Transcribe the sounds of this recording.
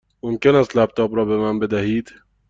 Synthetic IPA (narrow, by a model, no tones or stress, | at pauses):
momcenæst̪læb̚t̪ʰɒːbɾɒːbe̞mænbe̞d̪æhiːd̪̥